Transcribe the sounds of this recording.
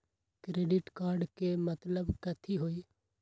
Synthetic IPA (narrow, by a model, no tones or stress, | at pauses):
kɾeːɖɪʈkaːɾɖkemət̪ləbkət̪ʰiːɦoːiː